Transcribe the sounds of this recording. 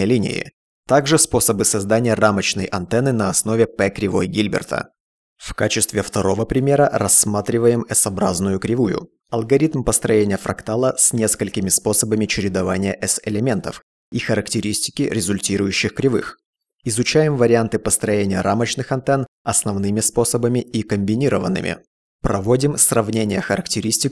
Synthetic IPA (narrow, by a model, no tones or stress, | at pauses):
əlʲinʲɪ̰ɪ̰ | t̪aɡʐɨspo̞səbɨsɐzd̪anʲɪjəramət͡ɕnəjʔɐnt̪ɛnɨnɐɐsno̞vʲɪpɛkɾʲɪvoɡʲilʲbʲɪ̰rt̪ʰə̰ | fkat͡ɕɪst̪vʲɪft̪ɐɾo̞vəpɾʲɪmʲe̞ɾəɾɐsːmat̪ɾʲɪvəjɪmɛsɐbɾaznʊjʊkɾʲɪvujʊ̰ | ɐlˠɡɐɾʲit̪mpəst̪ɾɐjenʲɪjəfɾɐ̰kt̪alˠəsʲnʲe̞skəlʲkʲɪmʲɪspo̞səbəmʲɪt͡ɕɪɾʲɪd̪ɐvanʲɪjəʔɛsɪlʲɪmʲe̞nt̪əf | ixəɾəktʲɪɾʲisʲtʲɪ̥kʲɪɾʲɪzʊlʲtʲiɾʊjʉɕːɪxkɾʲɪvɨ̰x | ɪzʊt͡ɕæjɪmvəɾʲɪant̪ɨpəst̪ɾɐjenʲɪjəɾʔamət͡ɕnɨxɐnt̪ɛn | ɐsnɐvnɨmʲɪspo̞səbəmʲɪikəmʲbʲɪnʲiɾəvənːɨ̰mʲɪ̰ | pɾɐvodʲɪmsrɐvnʲenʲɪjəxəɾəktʲɪɾʲisʲtʲɪk